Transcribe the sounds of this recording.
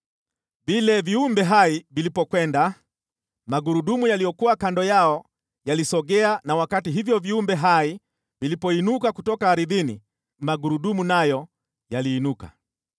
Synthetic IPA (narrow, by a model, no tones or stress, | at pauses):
vilɛviumbɛɦaivilipɔkwɛnda | maɡuɾuɗumujalijɔkuwakandɔjaɔ | jalisɔɡɛanawakatiɦivjɔviumbɛɦai | vilipɔinukakutɔkaːɾiðini | maɡuɾuɗumunajɔ | jaliːnuka̰